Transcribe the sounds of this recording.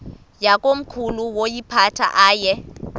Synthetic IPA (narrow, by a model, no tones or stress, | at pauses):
jakʼom̩kʰuluwojipʰatʰa̰ʔaːjɛ